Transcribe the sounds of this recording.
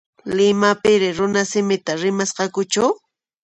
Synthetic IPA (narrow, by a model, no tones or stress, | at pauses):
lɪmapɪɾɪɾʊnasɪmɪt̪aɾɪmasqɑkʊt͡ʃaw